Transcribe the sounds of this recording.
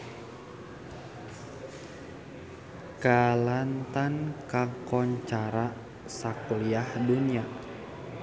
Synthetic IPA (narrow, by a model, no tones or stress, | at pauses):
kalant̪ankakɔɲt͡ʃaɾa | sakuliahdunia